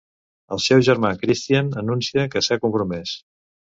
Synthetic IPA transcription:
əlˠsɛwʒəɾmakɾist̪iənənunsiəkəsakumpɾumɛs

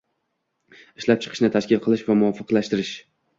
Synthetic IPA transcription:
ɪʃlap̚t͡ʃʰɨ̥qʰɨʃnɪt̪ʰaʃkʲɪlˠqʰɨlˠɪʃvamʊɒfɨqlaʃt̪ɪɾɪʃ

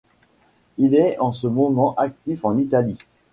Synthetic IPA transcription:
ilɛɑ̃səmɔmɑ̃ʔak̚t̪ifɑ̃nit̪ali

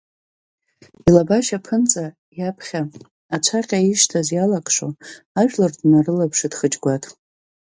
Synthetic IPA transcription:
ilabaʃapʰɨnt͡sʼa | japʰχʲaː | t͡ʃʷʰaqʲʼaiʂtʰazjalakʼʂo̰ | aʒᶣlɨrdnarɨlapʰʂɨdχət͡ʃʼɡʷatʼ

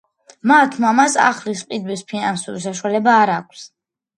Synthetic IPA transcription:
mat̪ʰmamasa̰χlisqʼid̪wispʰinansṵɾisaʃuwalɛbaːɾaːkʷʰs

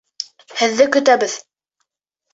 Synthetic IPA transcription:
hɘ̆ðːɘkɵ̆t̪æβɘð

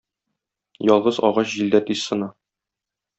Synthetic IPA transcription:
jɒlˠʁɤzɒ̰ʁɑɕʑild̪æt̪issɤ̆nɑ

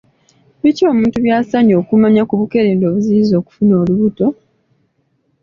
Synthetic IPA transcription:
βico̞ːmuːntuβjaːsaɲo̞ːkumaɲakuβuke̞ɾeːndoːβuziizo̞ːku̥funo̞ːluβuto̞

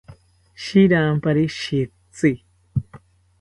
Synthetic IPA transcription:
ʃiɾaːmpaɾiʃi | t͡si

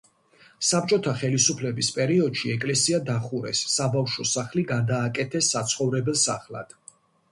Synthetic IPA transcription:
sap̚t͡ʃʼɔt̪ʰaχɛlisupʰlɛbispʼɛɾiɔd̪ʃiɛkʼlɛsiad̪aχuɾɛ̰sːabafʃɔsaχliɡad̪aːkʼɛt̪ʰɛsːat̪sʰχɔvɾɛbɛlˠsa̰χlˠa̰d̪̥

